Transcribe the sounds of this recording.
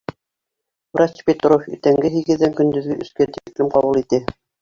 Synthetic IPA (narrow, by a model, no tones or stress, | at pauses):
wɾat͡ɕpʲet̪ɾofḭt̪æŋɡɘɦiɡɘ̆ðːæŋkɵ̆nd̪ɵ̆ðɡɘʔɵ̆skæt̪iklɘmqɑβulˠit̪ɘ